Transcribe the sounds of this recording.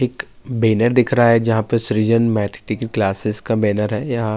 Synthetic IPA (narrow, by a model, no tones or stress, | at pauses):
eːk | beːnəɾd̪ɪkʰɾaaɦɛd͡ʒɐɦãpəsɾiːd͡ʒənmɛːʈʰʈɪkklaːsɪskabɛːnəɾɦɛjɐɦã